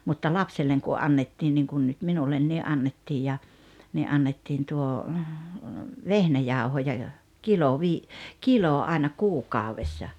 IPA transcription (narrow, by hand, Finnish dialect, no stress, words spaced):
mutːɑ lɑpselːeŋ ku ɑnːetːin niŋkun nut minulːenːi ɑnːetːij jɑ ni ʔɑnːetːiːn tuo ʋehnæjɑˑuhojɑ jo kilo ʋiː kiloˑ ɑenɑ kuːkɑˑoʋesːɑ